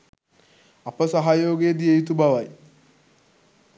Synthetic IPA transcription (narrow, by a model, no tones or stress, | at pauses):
apːɐsaɦajoːɡedijejit̪ubawaj